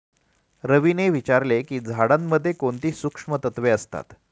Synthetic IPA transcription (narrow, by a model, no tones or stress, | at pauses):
ɾəʋineʋit͡ɕaɾlekiːd͡zʱaɽamːəd̪ʱːjekoɳt̪iːsukʂmət̪ət̪ʋeəst̪a̰t̪